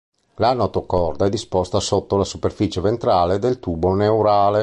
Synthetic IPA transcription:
lanot̪okɔrd̪aɛd̪ːispost̪asot̪ːolasuperfit͡ʃevent̪ɾaːled̪elt̪uːbonewɾaːle

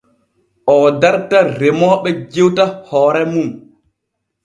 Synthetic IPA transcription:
ʔɔdaɾtaɾemɔːɓɛd͡ʒewtahɔːɾɛmum

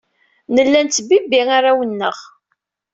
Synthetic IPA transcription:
nəlːænt̪ːbibiʁaɾawənːə̰ʁ

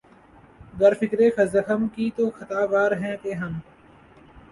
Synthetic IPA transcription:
ɡəɾfɪkɾeːxəzəxəmkiːt̪oːxət̪aːʋaːɾɦɛ̃ːk̪eːɦəm

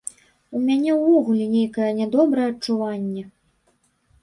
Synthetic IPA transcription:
umʲanʲɛwvɔɣulʲɛnʲejkɐjɛnʲad̪ɔbɾɐjɛɐt͡ʂuvanʲːɛ

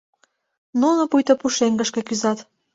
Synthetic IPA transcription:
nunŏpujt̪opuʃeŋɡəʃkĕkyzɑt̪

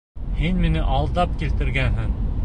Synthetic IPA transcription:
hinminɘʔɑlˠd̪ɑp̚kilt̪ɘ̆ɾɡænɦɘŋ

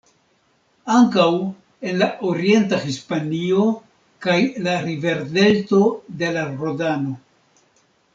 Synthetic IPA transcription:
aŋkaw | e̞nlaʔoɾie̞ntaxispanio̞ | kajlaɾive̞ɾde̞lto̞de̞laɾodano̞

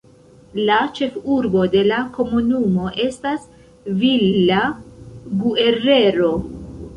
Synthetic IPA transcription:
lat͡ʃe̞fuɾbo̞de̞lako̞munumo̞ʔe̞stas | villa | ɡueɾe̞ɾo̞

